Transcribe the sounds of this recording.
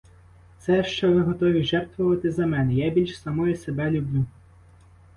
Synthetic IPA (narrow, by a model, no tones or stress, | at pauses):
t̪sɛʃt͡ʃɔʋɪɦɔt̪ɔʋʲiʒɛrt̪ʋɔʋɐt̪ɪzɐmɛnɛjabʲilʲʃsɐmɔjɛsebɛlʲʊblʲu